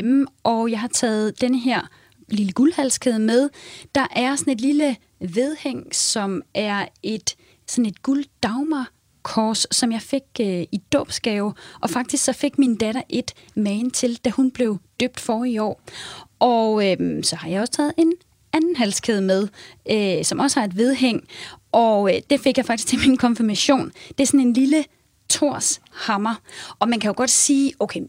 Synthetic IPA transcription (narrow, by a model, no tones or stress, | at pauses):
m̩ʔɒjɑ̈ɪhɑ̈t͡sʰɛ̰ːð̩ˠd̥enəɦeɐ̰ | liləɡ̥ulhælskʰe̝ð̞ˠəmeð̞ˠd̥ɑ̈ʔæɐsɒ̽ne̝d̥lilə | ʋe̝ð̞ˠheŋ̰sɒ̽mʔæɐe̝d̥ | sɒ̽ne̝d̥ɡ̥uld̥ɑ̈ʊmɐ | kʰɒːsːɒ̽mjɑ̈ɪfe̝ɡ̥øid̥ɔ̰ːb̥sɡ̥ɛʊʔɒ̽fɑ̈ɡ̥̚d̥isɡ̥sɒ̽fe̝ɡ̥minəd̥æɾ̥ɐʔe̝d̥ | mɛːnt͡sʰe̝ld̥æhunb̥le̝ʊd̥øb̥̚d̥fɒːiɒ̰ːʔɒøsɒ̽hɑ̈jɑ̈ɒ̽sə̥t͡sʰɛ̰ːð̩ˠe̝n | ænn̩ɦæl̰skʰeðˠmeð̞ˠøsɒ̽mʔɒ̽səhɑ̈e̝d̥ʋe̝ð̞ˠɦeŋ̰ʔɒ̽d̥e̝fe̝ɡ̥jɑ̈ɪɑ̈ɡ̥d̥isɡ̥ʰe̝minkʰɒ̽nfiɐmæɕo̝̰ːnd̥e̝sɒ̽ne̝nlilə | t͡sʰo̝ɐ̰shɑ̈mɐʔɒ̽mænkʰæjoɡ̥ɒ̽d̥siːʔoʊkʰe